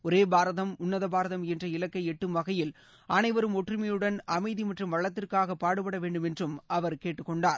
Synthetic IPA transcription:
ɔɾeːbaːɾɐðɐmʊnːɐðɐbaːɾɐðɐmɛndrɐɪlɐkːɐɪɛʈːɯmʋɐɣɐjɪl | ʔɐnɐɪʋɐɾɯmɔʈrɪmɐjɯɽɐnɐmɐɪðimɐʈrɯmʋɐɭːɐt̪ːɪrkaːɣɐpːaːɽɯpːɐɽɐʋeːɳɖɯmɛndrɯmɐʋɐɾkeːʈːɯkːɔɳɖaːɾ

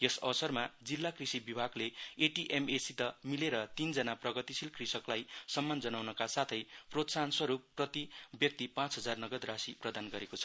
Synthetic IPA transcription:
jʌsʌ̰ʌsʌrmad͡zilːakrisibibʱaɡleeʈiʔemesit̪ʌmileɾʌt̪ind͡zʌnaprʌɡʌt̪isilkrisʌklajsʌmːand͡zʌnawnʌkasat̪ʰʌjprot̪sanswʌɾupːrʌt̪ibjʌk̚t̪ipãt͡sɦʌd͡zarnʌɡʌd̪rasiprʌd̪anɡʌɾekot͡sʰʌ̥

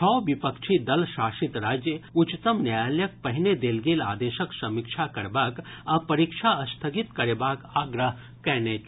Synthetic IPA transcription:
t͡ʃʰɔːʋipəkʃʰid̪ɐlʃaːʃit̪ɾaːd͡ʒjəut͡ʃt̪əmnjajaljək̚pɐɦined̪eːlɡela̰ːd̪eːʃəksɐmikʃʰakɐɾbaːkapɐɾikʃʰaɐst̪ʰəɡit̪kɐɾeːbaːkaːɡɾəɦ | kɛːnet͡ʃ

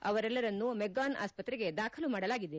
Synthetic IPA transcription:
ɐ̰ʋɐɾɛlːɐɾɐnːumɛɡaːna̰ːspɐt̪ɾɛɡe̞d̪aːkʰɐlumaːɽɐlaːɡid̪e

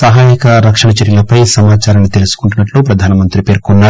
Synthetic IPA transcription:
sɐɦaːjikɐɾɐkʂɐɳɐt͡ʃɐɾjɐlɐpɐjsɐmaːt͡ʃaːɾɐnːit̪e̞lusu̥kuɳʈunːɐʈluːpɾɐd̪ʱaːnɐmɐnt̪ɾipe̞ːɾkunːa

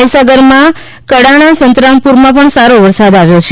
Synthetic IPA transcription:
əjsaɡəɾmã | kəɽaɽ̃asənt̪ɾãŋpuɾmãpəɳsaɾoʋəɾsad̪aʋjot͡ʃʰ

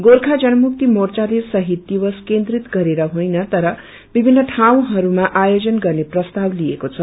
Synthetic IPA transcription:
ɡorkʰad͡zʌnʌmuk̚t̪imort͡sad̪esʌɦit̪̚d̪iwʌskend̪rit̪ɡʌɾeɾʌɦojnʌt̪ʌɾʌ | bibʱinːʌʈʰaw̃ɦʌɾumaʔajod͡zʌnɡʌrneprʌst̪ablijekot͡sʰʌ

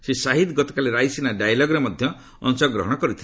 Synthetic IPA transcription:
sisaɦit̪ɡɔt̪ɔ̥kaleɾajsinaɖajlɔɡɾemɔd̪ʱjɔ | ɔ̰nsɔɡɾɔ̰ɦɔɽ̃ɔkɔɾit̪ʰi̥

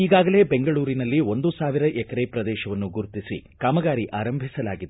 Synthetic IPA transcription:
iːɡaːɡɐle̞ːbeŋɡɐɭuːɾinɐlːio̞nd̪usaːʋiɾɐʔɛkɐɾeːpɾɐd̪ɛːʃɐʋɐnːuɡuɾt̪isḭkaːmɐɡaːɾiʔaːɾɐmbʱisɐlaːɡid̪e

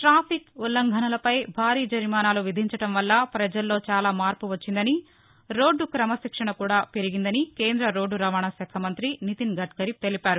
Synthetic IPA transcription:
ʈɾaːpʰikulːɐŋɡʱɐnɐlɐpɐjbʱaːɾiːd͡ʒɐɾmaːnaːluʋid̪ʱiɲt͡ʃɐɽɐmʋɐlːɐpɾɐd͡ʒɐlːo̞ːt͡ʃaːlaːmaːɾpuʋɐt͡ʃːind̪ɐni | ɾo̞ːɖːukɾɐmɐsikʂɐɳɐkuːɽaːpe̞ɾiɡind̪ɐnike̞ːnd̪ɾɐɾo̞ːɖːuɾɐʋaːɳɐsɐːkʰɐmɐnt̪ɾinit̪inɡʱɐʈkɐɾit̪e̞lipaːɾu

